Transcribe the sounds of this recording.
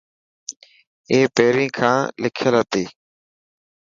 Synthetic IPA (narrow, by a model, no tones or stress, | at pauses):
eːpeːɾĩːkʰãːlɪkʰjəlɦət̪iː